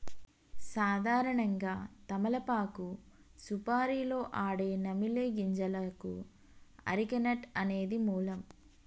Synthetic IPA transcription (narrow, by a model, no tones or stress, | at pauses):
saːd̪ʱaːɾɐɳɐŋɡaːt̪ɐmɐlɐpaːku | supaːɾiːlo̞ːʔaːɽe̞ːnɐmileːɡiɲd͡ʒɐlɐkṵ | ɐ̰ɾikɐnɐʈɐne̞ːd̪imuːlɐm